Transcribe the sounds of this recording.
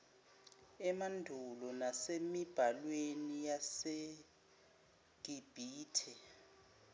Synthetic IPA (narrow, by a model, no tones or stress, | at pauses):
ɛmandʱulɔnasemib̥ʱalwenijase | ɡ̥ʱib̥ʱiːtʰɛ